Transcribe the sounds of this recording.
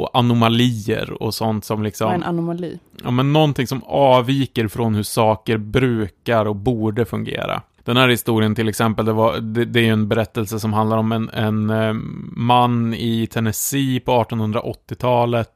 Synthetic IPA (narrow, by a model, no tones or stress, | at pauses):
ɔ̰ʔanʊmaliːə̰ɾɔ̰sɔnt̪sɔmlɪksɔmnanʊmaliːɑ̰ːmɛnːɔnt̪ʰɪŋsɔmɑːviːkəɾfɾonhɵʂɑːkəɾbɾʉ̟ːkaɾɔkbuːɖəfɵŋɡḛːɾa̰ | d̪̥ɛnhæːɾhɪst̪uːɾɪənt̪ʰɪlɛksɛmpəld̪ɛvad̪ɛd̪ɛæɾjɵɛnbɛɾɛt̪ːəlsəsɔmɦand̪laɾɔmɛnɛn | manːɪt̪ʰɛnɛsiːpʰɔɑːʈɔnhɵnd̪ɾa̰ʔɔt̪ːɪt̪ʰɑːlət̪